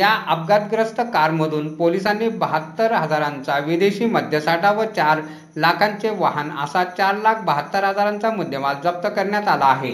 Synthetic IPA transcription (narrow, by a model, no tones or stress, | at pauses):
jaʔəp̚ɡad̪̚ɡɾəsʈ̪əkaɾməd̪ʱuːnpolisanːebəɦət̪ːəɾɦəd͡zaɾant͡saʋid̪eɕiːməd̪ʱjəsaʈʰaʋət͡ɕaɾ | lakʰant͡seʋaɦənə̰sat͡ɕaɾlak̚ʰbəɦət̪ːəɾɦəd͡zaɾant͡samud̪ʱːjəmat̪d͡zəp̚t̪əkəɾɳjat̪alaːɦe